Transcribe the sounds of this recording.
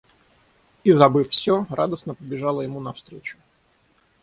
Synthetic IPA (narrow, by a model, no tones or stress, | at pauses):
izɐbɨfsʲora̰d̪əsnəpəbʲɪʐɑlˠəjɪmunɐfst̪ɾʲet͡ɕʊ̥